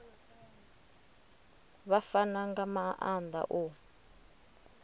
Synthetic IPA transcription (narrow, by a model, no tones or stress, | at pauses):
βafanaŋɡamaʔand̪a̰ʔo